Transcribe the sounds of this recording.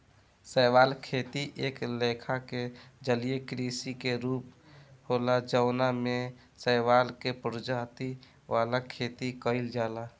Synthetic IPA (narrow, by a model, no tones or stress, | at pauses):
səɪwaːlkʰet̪iʔeklekʰaked͡ʒəlijekɾisikeɾuːp | holad͡ʒəʊname | səɪʋalkepɾʊd͡ʒaːt̪i | ʋalakʰet̪ikəɪld͡ʒaːla